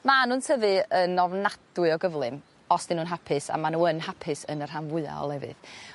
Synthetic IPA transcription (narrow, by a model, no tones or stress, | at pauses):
manuːntʰəvɨənɔvnad̥wɨɔɡəvlˠɨm | ɔsd̥ɪnuːnɦapʰɪsa̰manuːənɦapʰɪsənər̥anvʊɨa̰ɔ̰lˠɛvɨ̰ð